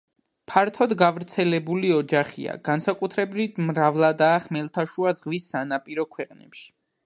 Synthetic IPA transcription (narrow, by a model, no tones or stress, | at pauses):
pʰaɾt̪ʰɔd̪ɡavɾt̪sʰɛlɛbuliɔd͡ʒaχḭa̰ɡ̥ansakʼut̪ʰɾɛbɾit̪ʰmɾavlˠad̪aːχmɛlˠt̪ʰaʃuazʁwisːanapʼiɾɔkʰwɛqʼnɛ̰pʃi̥